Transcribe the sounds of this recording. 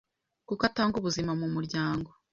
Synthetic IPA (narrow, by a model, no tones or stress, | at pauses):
kukataːŋɡuβuzimamumuɾɟaːŋɡo̞